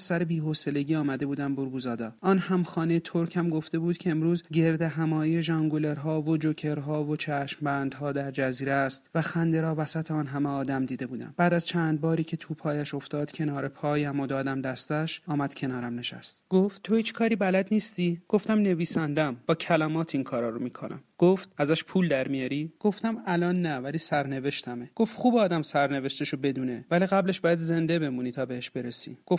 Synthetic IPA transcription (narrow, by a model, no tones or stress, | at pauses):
sæɾebiːɦose̞le̞ɟiːɒːmæd̪e̞buːd̪æmboɾɡuːzɒːd̪ɒːʔɒːnhæmχɒːnejet̪ʰoɾcʰæmɡo̞ft̪e̞buːd̪̥cʰeːmɾuːzɟe̞ɾd̪e̞ɦæmɒːijeʒɒŋɡole̞ɾɦɒːvo̞d͡ʒocʰe̞ɾɦɒːvot͡ʃʰæʃmbænd̪ɦɒːd̪æɾd͡ʒæziːɾest̪væxænd̪eɾɒːvæsæt̪ʰeɒːnɦæmeɒːd̪æmd̪iːd̪e̞buːd̪æ̰mb̥æːd̪æzt͡ʃʰænd̪̚bɒːɾiːcʰe̞t̪ʰuːpʰɒːjæʃo̞ft̪ɒːd̪̥cʰe̞nɒːɾe̞pʰɒːjæmo̞d̪ɒːd̪æmd̪æst̪æʃɒːmæd̪̥cʰe̞nɒːɾæmne̞ʃæ̰st̪ɡ̥o̞ft̪t̪ʰːo̞hiːt͡ʃkʰɒːɾiːbælæd̪niːst̪iɡ̥o̞ft̪æmne̞viːsænd̪æmb̥ɒːcʰælæmɒːt̪ʰinkʰɒːɾɒːɾomiːkʰonʔæ̰mɡ̥oft̪æzæʃpʰuːld̪æɾmijɒɾiːɡ̥o̞ft̪æmælɒːnːævæliːsæɾne̞ve̞ʃt̪ʰæmeɡ̥o̞ft̪χuːbɒːd̪æmsæɾne̞ve̞ʃt̪eʃobe̞d̪uːnevæliɣæble̞ʃbɒːjæd̪ze̞nd̪e̞be̞muːniːt̪ʰɒːbeheʃbe̞ɾesḭɡ̥o